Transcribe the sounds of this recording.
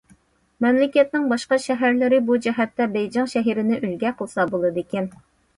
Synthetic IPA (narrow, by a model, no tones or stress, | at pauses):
mɛmlɪkʲɛt̪̚nɪŋbɑʃqɑʃɛɦæɾlɪɾɪbud͡ʒɛɦɛt̪ːɛbɛjd͡ʒɑŋʃɛɦiɾɪnɪʔylɡʲɛqʰəlˠsɑbolˠɨd̪ekʲɛn